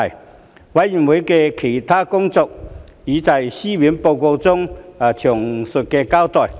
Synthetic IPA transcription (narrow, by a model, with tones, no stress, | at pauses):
j | wa˧˦ji˨˩nwe˨˦jke˧kʰi˨˩t̪ʰaː˦˥kʊ˥ŋt͡sɔ˨k̚i˨˥˦t͡sa˧jɕi˦wi˨˦npo˧wko˧wt͡sʊ˥ŋ˨˩t͡ɕʰʊ˨˩ŋsʊ˨t̚ke˧ka˥wt̪ɔ˨˩j